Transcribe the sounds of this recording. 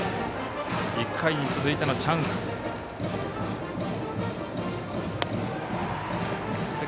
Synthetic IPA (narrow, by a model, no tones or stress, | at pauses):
ikʰːaiɲit͡sɨzɨit̪e̞no̞t͡ɕʰãnsɨ̥ | sɨ